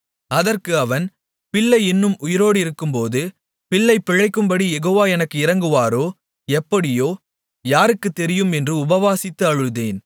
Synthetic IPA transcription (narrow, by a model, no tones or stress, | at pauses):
ɐðɐrkɯɐʋɐn | pɪɭːɐɪnːɯmʊjɪɾoːɽɪɾɯkːɯmpoːðɯ | pɪɭːɐɪpːɪɻɐɪkːɯmbɐɽijɛɣoːʋaːɛnɐkːɯɪɾɐŋɡɯʋaːɾoː | ɛpːɐɽɪjoː | jaːɾɯkːɯt̪ːɛɾɪjɯmɛndrɯʊbɐʋaːsɪt̪ːɯɐɻɯðeːn